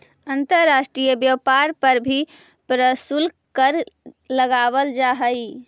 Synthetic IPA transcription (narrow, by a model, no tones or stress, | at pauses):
ənt̪əɾːasʈɾijəbjəpaɾpəɾbʱi | pɾəsul | kəɾləɡabəld͡ʒaɦəj